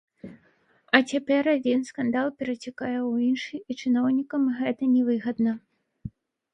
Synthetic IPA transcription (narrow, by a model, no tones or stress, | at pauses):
ɐt͡sʲapʲɛrad͡zʲinskand̪alˠpʲɛɾɐt͡sʲakajɛwinʂɨit͡ʂɨnɔwnʲikɐmɣɛt̪ɐnʲɛvɨɣɐd̪nɐ